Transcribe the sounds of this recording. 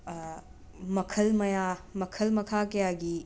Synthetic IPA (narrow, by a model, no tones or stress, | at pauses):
mɐkʰɐlmɐjamɐkʰɐlmɐkʰakɐjaɡi